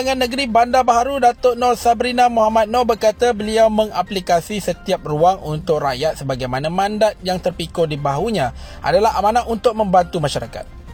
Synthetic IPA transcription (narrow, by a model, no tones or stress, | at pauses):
əŋãnːəɡəɾibandabaɦaɾudat̪oʔnɔlsabɾinamoɦamat̪̚nõbərkat̪abəliawmə̃ŋaplikasisət̪iap̚ruaŋunt̪ʊk̚rajat̪̚səbaɡajmanãmãndat̪̚jaŋt̪ərpikodibaɦuɲãʔa̰dalaɦamanãʔunt̪ʊk̚mə̃mbant̪umaʃaɾaka̰t̪̚